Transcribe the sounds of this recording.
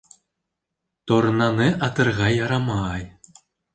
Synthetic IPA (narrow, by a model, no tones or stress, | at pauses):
t̪ornɑneʔɑt̪ɤ̆rʁɑjɑɾɑmɑːj